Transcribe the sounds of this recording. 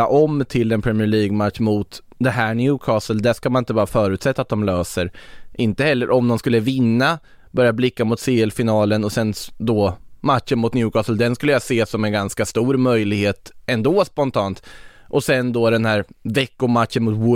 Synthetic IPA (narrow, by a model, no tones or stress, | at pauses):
aʔɔmt̪ʰɪlɛnpʰɾɛmɪɛɭiːɡmat̪ʂmʊt̪ | d̪ɛɦæːɳjʉːkʰɑːsəld̪æʂkamanɪnt̪əbɑːɾafœːɾʉ̟ːt̪sɛt̪ːaːt̪̚d̪ɔmløːsəɾʔɪnt̪əhɛlːəɾʔɔmnɔnskɵlːəvɪnːa | bœɾjablɪkːamʊt̪seːɛlfɪnɑːlənɔsɛnd̪ɔmat̪ʂənmʊt̪njʉːkʰɑːsəld̪ɛnskɵlːəjaseːsɔmɛnɡanskast̪uːɾmœjlɪɡheːt̪ɛnd̪oːspɔnt̪ʰɑːnt̪ʔɔsɛnd̪ɔd̪ɛnhæːɾvɛkːʊmat̪ʂənmʊt̪wʊ